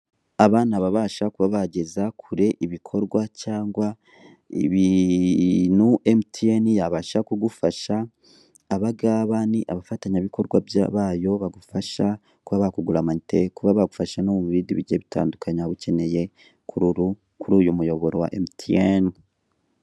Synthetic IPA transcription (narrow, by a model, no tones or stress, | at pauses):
aβaːnaβaβaːʃakuβaβaɟe̞zakʰuɾe̞ʔiβikʰo̞ɾɡwacaːŋɡwa | ḭβi | nuʔemtʰienijaβaʃakuɡufaʃaː | βaɡaːβaniʔaβafataɲaβiko̞ɾɡwabja̰βaːjo̞βaɡufaʃa | kuβaβakuɡuɾamaɲitʰe̞kuβaβaɡufaʃanomumuβidiβiɟeβitʰa̰ːndukaɲaβuce̞ne̞je̞ | kʰuɾuɾu | kuɾuːjumujo̞βo̞ɾowa̰ʔemtʰieni